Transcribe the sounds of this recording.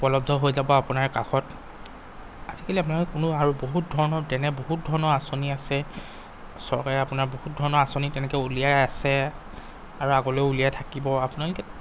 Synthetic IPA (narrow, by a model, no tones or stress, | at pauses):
pɹɔlɔb̚dʱɔɦojzabɔapʊnaɹkaxɔt | azikaliap̬unalkɛkʊnʊaɹuboɦut̚dʱɔɹɔnɔtɛnɛboɦut̚dʱɔɹɔnɔɹasoniasɛ | sɔɹkaɹɛapʊnaɹbohut̚dʱɔɹɔnɔɹasonitɛnɛkɔulijaasɛ | aɹuaɡɔlojulijatʰakibɔapʊnalokɛ